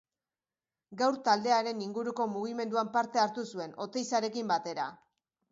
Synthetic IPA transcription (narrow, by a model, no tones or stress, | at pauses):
ɡawɾt̪ald̪e̞aɾe̞niŋɡuɾuko̞muɣ̞ime̞nd̪uampaɾt̪e̞aɾt̪usue̞no̞t̪e̞jsaɾe̞kimbat̪e̞ɾa̰